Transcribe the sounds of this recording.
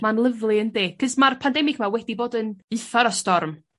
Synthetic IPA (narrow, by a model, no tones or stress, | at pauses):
manlˠəvlˠɪəndeːkʰəsmarpʰandɛmɪɡmawɛdiboːdənɨθaɾɔstɔrm